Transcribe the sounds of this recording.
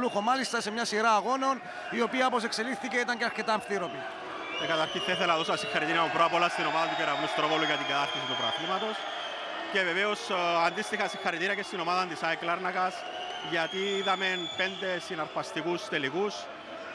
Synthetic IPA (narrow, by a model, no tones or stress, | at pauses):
luxomalist̪ɐsemɲɐsiɾaːɣo̞no̞n | io̞piɐpos̬e̞kse̞liθθice̞it̪ɐɲceɐɾke̞t̪aɱfθiɾopi | t̪ekat̪aɾçiθeθelaðosasixaɾit̪inaupɾapolast̪inomaðɐnt̪ukeɾaunest̪ɾovoloʝat̪iɡat̪aɾt̪ːisit̪upɾa̰θimat̪os | ce̞ve̞veosand̪ist̪ixasixːaɾit̪inakest̪inomaðand̪isaeklaɾnakɐs | ʝat̪iðamenpe̞nd̪e̞sinaɾfast̪ikust̪eliɣus